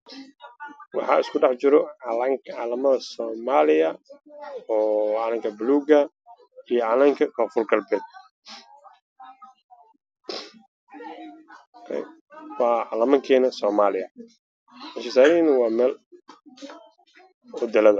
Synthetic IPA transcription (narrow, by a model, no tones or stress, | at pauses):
wɑħɑ̰ːɪskʰʊɖɑħt͡ʃɪɾɔʕlɐŋkʕaːlɐmɐðɐsɔːmaːlɪjɐ | ɔːʕɑlɐŋkʰɐbluːɡɐ | ijɔʕɑlɐŋkʰɐkʰɔːfʊrɡɐlbɛːd̪̚ | kʰɛ̰j | wɑːʕɑ̰lɐmɐŋkʰɛːnɐsɔːmaːlɪɐ | ɪnʃɪsaːɾinɐwɑːmɛːl | ɔd̪ɛlɐðɐ